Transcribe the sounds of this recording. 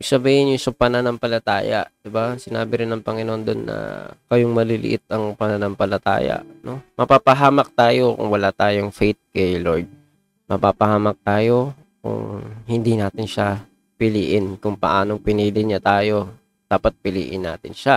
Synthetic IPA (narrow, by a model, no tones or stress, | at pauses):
iɡ̚sɐbiːhɪnjʊŋsɐpɐnanɐŋpɐlɐt̪a̰ːja̰ʔd̪̥ɪbasɪnaːbɪɾɪnɐŋpɐŋɪnoond̪onːɐ̰kɐjoŋmɐlɪlɪ̰ʔɪt̪̚ɐŋpɐnanɐŋpɐlɐt̪a̰ːja̰ʔno̞mɐpaːpɐɦaːmɐk̚t̪aːjo̞kʊ̰ŋwɐlat̪aːjoŋfɛjt̪̚kɐjloɹd̪̚ | mɐpaːpɐhaːmɐk̚t̪aːjo̞ | kʊ̰ŋhɪnd̪inaːt̪ɪnʃa | pɪliːʔɪnkʊŋpɐʔaːno̞ŋpɪniːlɪɲat̪aːjo̞ | d̪̥aːpɐt̪̚pɪlḭːʔɪnːa̰ːt̪ɪnʃa